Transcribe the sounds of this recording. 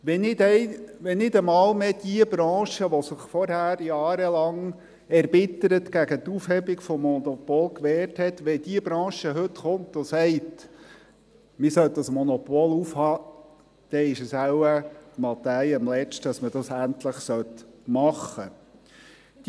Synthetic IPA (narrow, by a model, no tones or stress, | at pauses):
ʋɛnɪdɛɪʋɛnɪdəmɑːlmɛd̥̪iəbɾɑ̃ːʃəʋɔsɪχfɔɾhæːɾjɑːɾəlɑŋ | ɛɾbɪt̪əɾət̪ɡæɡət̪ufhɛbiɡfɔmːɔnɔpɔlkʋɛːrthɛt̪ʋɛd̥iəbɾɑ̃ːʃəɦɵt̪χʊnt̪osɛɪt | mɪsœlt̪dɑsmɔnɔpɔlufhɑː | d̪̥ɛɪʃəsæwəmɑt̪æjəmlɛt͡ʃtɑsmədɑsæntləχsœt̪mɑχə | d̥̪